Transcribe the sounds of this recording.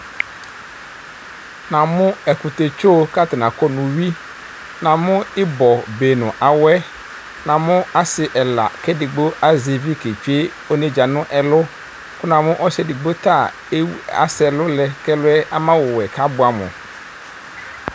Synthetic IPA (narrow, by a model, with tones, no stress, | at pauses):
nã˨mʊ̃˦ɛ˨kʊ˨t̪e˨t͡ʃo˦ka˦t̪ɪ˨nã˨kɔ˦nʊ̃˨ɥi˦ | nã˨mʊ̃˦ɪ˦bɔ˨beː˨nʊ̃˨ʔa˨wɛ˦ | nã˨mʊ̃˦a˦sɪ˨ʔɛ˨la̰˨kʰɛ˦dɪ˨ɡ͡bo˦a˦zi˨vi˦ke˨t͡ʃᶣe˦ | o˦nẽ˦d͡ʒa˨nʊ̃˦ʔɛ˨lʊ˦ | kʊ˦nã˨mʊ̃˦ʔɔ˦sɛ˦di˨ɡ͡bo˦t̪a˦˨ | e˦a̰˨sɛ˨lʊ˦lɛ˨kɛ˦lʊ˦ɛ˦ʔa˦mã˦wɔ˨wɛ˨kʰa˦bʊ˨˦a˨mʊ̰̃˨